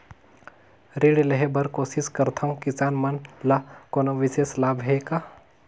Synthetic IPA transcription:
ɾiːɽlɐɦebɐɾkoːsɪskɐɾt̪ʰaũkɪsaːnmɐnlakoːnoʋɪseːslaːbɦeːkaː

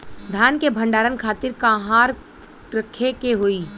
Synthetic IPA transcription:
d̪ʱjaːnkebʱə̃ɳɖaːɾənkʰaːt̪ɪɾkãːɦaːɾ | ɾəkʰːekeɦoiː

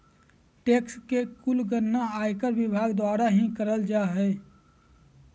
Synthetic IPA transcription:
ʈeːkskekʊlɡəɾnaaːjkəɾbɪbʱaːɡd̪waːɾaɦĩkəɾəld͡ʒaɦɛː

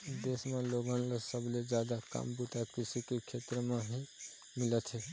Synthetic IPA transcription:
d̪esmeloɡənlesəbled͡ʒad̪aka̰mbuʈakisikekʰet̪ɾəmeɦi | milət̪ʰɦɛ

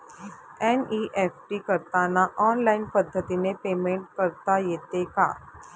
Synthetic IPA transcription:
eniʔefʈiːkəɾt̪anaʔɔnlainpəd̪ʱːət̪inepemeɳʈ̚kəɾt̪ajet̪eka̰

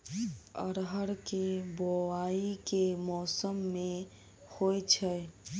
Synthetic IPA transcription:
ə̰ɾɦəɾkeboaikemɔːsəmːe | hojt͡ʃʰɛ

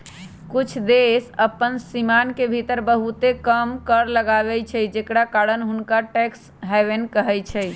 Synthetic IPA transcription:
kut͡ʃʰd̪esəpːənsimankebʱit̪əɾbəɦut̪ekəmkəɾləɡabɛt͡ʃʰɛjd͡ʒekɽakaɽənɦunkaʈɛks | ɦɛbenkəɦɛt͡ʃʰɛ

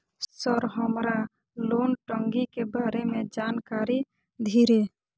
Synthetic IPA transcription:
səɾɦəmɾa | lonʈəŋɡikebaɾemed͡ʒankaɾi | d̪ʱiɾe

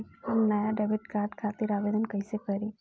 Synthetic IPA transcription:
pomnɐjaɖebiʈkaːɾɖkʰat̪iɾaːʋeːd̪ənkɐjsekəɾi

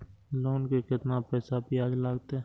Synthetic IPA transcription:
loːnkekɪt̪napɛːsabʱiaːd͡ʒlaːɡt̪eɛː

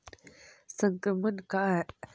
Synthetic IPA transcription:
səŋkəmənkaɦɛ

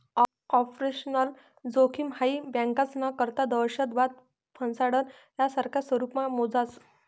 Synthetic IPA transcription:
ɔpɾeɕnəl | d͡zokʰiːmhaibãŋkat͡snakəɾt̪ad̪əɾɕəd̪ʋat̪̚ | pʰənsaɽəɾ | jjasəɾkʰasʋəɾupmamod͡zat͡s

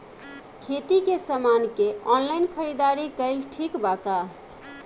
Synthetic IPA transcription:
kʰet̪ikesəmankeɔnlaɪnkʰəɾid̪aɾikəɪlʈʰikbaka

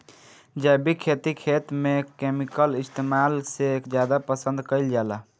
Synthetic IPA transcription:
d͡ʒabikʰet̪ikʰet̪mekemikəlist̪emalsekd͡ʒjad̪apəsə̃nd̪kəɪld͡ʒala

